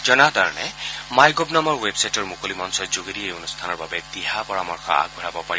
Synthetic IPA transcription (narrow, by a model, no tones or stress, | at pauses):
zɔnat̪aɹɔnɛmajɡobnamɔɹwebsajtɔɹmukolimɔnsɔzoɡeɾiejonust̪ʰanɔɹbabɛd̪iɦapɔɹamɔɹxɔ̰a̰ɡ̚bʱɔɹabɔpaɹiɔ